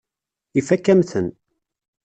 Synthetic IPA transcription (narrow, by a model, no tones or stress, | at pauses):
ifækːæmθən